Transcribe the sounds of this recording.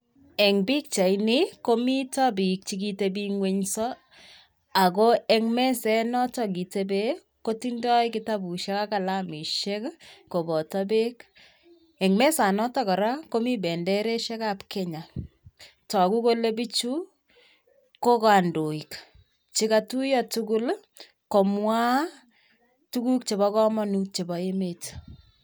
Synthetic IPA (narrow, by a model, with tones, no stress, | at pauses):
ɛ˨ŋbi˦k̚t͡ʃa˨ini˦ko˦mi˦ta˦bi˨k̚t͡ʃiki˦teb̬i˦ŋwe˦ɲsɔ˦ | a˨ko˦ɛŋmɛ˦sɛ˦nɔ˦tɔ˦k̬i˨te˦be˦ | ko˦tindɔ˦ikɪ˦ta˦bu˨ʃɛ˦ka˦ka˦la˦mi˨ʃɛ˦kko˨bɔ˨tabe˦k | ɛ˨ŋmɛ˦sa˨nɔ˦tɔ˦kɔ˨ɾa˦ko˦mi˦bɛ˨ndɛ˦ɾe˦ʃɛ˦ka˦pkɛ˦ɲa˨ | tɔ˨ku˦ko˦le˦bi˦t͡ʃu˦ | ko˦ka˨ndo˨i˨k | t͡ʃi˦ka˦tu˦jɔ˨tu˦ku˦l | ko˨mwa˦ | tu˦ku˦k̚t͡ʃe˨bɔ˦kɔ˦mɔ˦nuk̚t͡ʃe˨bɔ˨e˦me˦t